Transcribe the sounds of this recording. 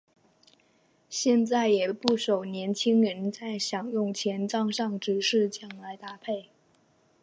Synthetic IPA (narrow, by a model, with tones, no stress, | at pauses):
ɕjɛ˥˧nt͡sa˥˩ɪjɛ˨˩pu˥˩ʂo˨˩ʊnjɛ˧˥nt͡ɕʰi˥ŋɻə˧˥nt͡sa˥˩ɪɕjɑ˨˩ŋjʊ˥˩ŋt͡ɕʰjɛ˧˥nʈ͡ʂɑ˥˧ŋʂɑ˥˧ŋʈ͡ʂɻ̩˧˥ʂɻ̩˥˧t͡ɕjɑ˥˩ŋla˧˥ɪt̪a˥pʰe˥˩ɪ